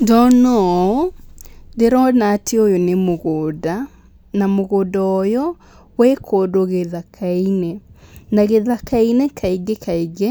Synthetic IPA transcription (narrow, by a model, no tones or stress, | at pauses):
dɔnɔ | ðeɾɔnatʰeojonemoɣoːda | namoɣodaɔjɔ | wekʰodoɣeðakʰainenaɣeðakainekʰaiɡekaiɡe